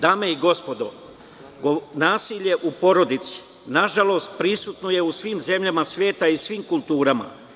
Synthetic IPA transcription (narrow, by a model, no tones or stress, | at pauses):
d̪aːme̞iɡo̞spo̞d̪o̞̰ | ɡonaːsiʎe̞ʔupo̞ɾo̞d̪it̪si̥ | naʒalo̞ːst̪̚pɾisut̪noje̞usʋiːmze̞mʎamasʋje̞ːt̪aisʋiːmkulˠt̪uːɾama̰